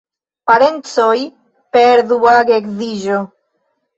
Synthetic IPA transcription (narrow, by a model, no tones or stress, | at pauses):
paɾent͡soj | peɾðuaɣekðiʒo